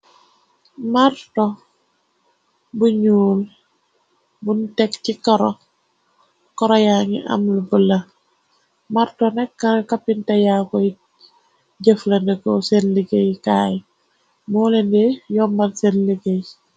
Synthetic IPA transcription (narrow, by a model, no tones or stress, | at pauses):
maɾto | buɲuːl | buntɛkcikɔɾo | kɔɾojaŋḭʔa̰mlubəlɐ | maɾtonɛkːakapintɐjako | ɟeflendəkosenliɡejkaːj | mulendejɔmbalsenliɡej